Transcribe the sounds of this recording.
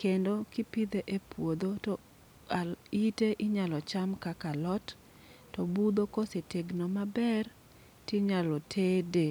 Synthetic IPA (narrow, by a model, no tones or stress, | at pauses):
kendokipid̪eʔepwod̪otɔ | aiteʔiɲalɔt͡ʃamkakalɔt | tɔbud̪okoseteɡnomabɛr | tiɲalɔtʰede